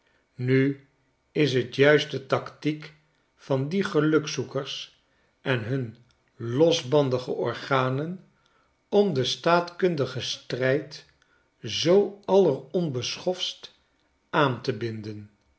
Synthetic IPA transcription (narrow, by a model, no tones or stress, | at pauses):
ny | ɪsɦətjœɥst̚dətɑktik | fɑndiχəlɵksukəɹs | ʔɛnɦɵn | lɔzbɑndəχəʔɔɹχaːnən | ɔmdəstaːtkɵndəχəstrɛjt | zowɑlərɔnbəsχɔfst | ʔaːntəbɪndən